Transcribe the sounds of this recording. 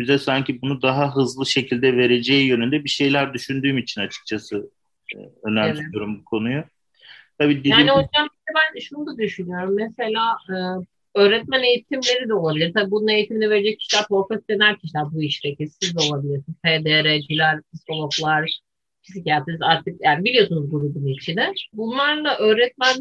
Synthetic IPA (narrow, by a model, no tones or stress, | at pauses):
yzɛsaɲcʰibunud̪aɦaɦɯzlˠɯʃe̞cʰilʲd̪ɛve̞ɾe̞d͡ʒɛjjønynd̪ɛbiʃe̞jlʲæɾd̪yʃynd̪yːmit͡ʃʰinat͡ʃʰɯ̥k̚t͡ʃʰasɯ | ønæɾt̪jo̞ɾumbukʰo̞nuju | t̪ʰabiːd̪ejaːio̞jzd̪anbiɛbænʃunud̪ad̪yʃynyjo̞ɾumːese̞lʲaːɯː | ø̞ːɾɛt̪̚mæne̞jit̪ʰimlʲe̞ɾid̪ɛolˠabilʲiɾt̪ʰabiːbunune̞jit̪ʰiminive̞ɾed͡ʒɛc̚cʰi̥ʃilʲæɾpʰoɾfɛt̪̚d̪enæɾcʰiʃlʲæɾbuiʃd̪ekisizd̪ɛo̞lˠabilʲiɾsinp̪ʰed̪eɾɛd͡ʒilʲæɾd̪iskolˠoplˠaɾ | cʰizicaːt̪ʰizaɾt̪ʰɯk̚jaːnibilʲijo̞sunuzɡuɾubunit͡ʃʰinɛbunlˠaɾlˠaʔøːɾɛt̪̚mæn